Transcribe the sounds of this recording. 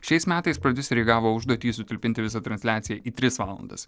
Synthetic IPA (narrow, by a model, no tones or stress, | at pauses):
ʃʲɛɪsmʲæːt̪ɐɪspɾɐd̪ʲɪsʲɾʲɛːɡɑːʋoːʊʒd̪oːt̪ʲiːsʊt̪ʲɪlʲpʲɪnt̪ʲɪʋʲɪsɑt̪ɾɐnʲsʲlʲæːt̪sʲɪjɛʔiːt̪ʲɾʲɪsʋɑːlˠɐ̰nd̪ɐ̰s